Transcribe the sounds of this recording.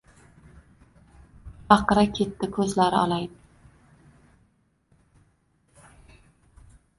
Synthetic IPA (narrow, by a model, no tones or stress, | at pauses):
ɑqɨɾakʲʰe̞t̪ːɪkʰɵzlaɾɪɒ̰lˠajd̪ɪ